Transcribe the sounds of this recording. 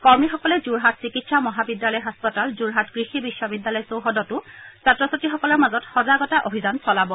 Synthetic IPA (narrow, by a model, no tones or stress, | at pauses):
kɔɹmixɔkɔlɛzuɹɦatsikitsamɔɦabidjalɔjɦɔspɔtalzuɹɦatɡɹixibisːɔbidːalɔjsowɦɔdɔtʊsatɹɔsatixɔkɔlɔɹmazɔtxɔzaɡɔtaʔobʱizansɔlabɔ